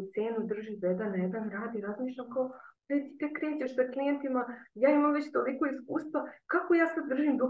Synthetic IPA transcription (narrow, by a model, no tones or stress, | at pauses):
t̪seːnud̪r̩ʒid̪ed̪anːajed̪anɡɾaːd̪iɾazmiːʃʎʲamkaod̪at̪it̪ekɾe̞ːt͡ɕeʃsaklijent̪imajaːimamʋe̞t͡ɕt̪oliko̞iskuːst̪ʋakako̞jaːsad̪ːr̩ʒimd̪u